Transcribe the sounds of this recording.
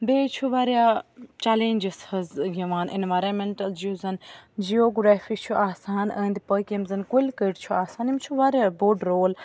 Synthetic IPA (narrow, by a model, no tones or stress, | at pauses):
beːt͡ʃʰuʋaːɾjaːt͡ʃaːlẽːɲd͡ʒɐshɐzɡɐʋaːnʔḭnʋaːjɾɐmeɳʈɐld͡ʒiuzɐnd͡ʒioːɡɾaːfiːt͡ʃʰuʔaːsaːnɐ̰̃ːnd̪ipəkʲɐmzɐnkulkəʈt͡ʃʰuaːsaːnimt͡ʃʰuʋaːɾjaːboːɖɾoːl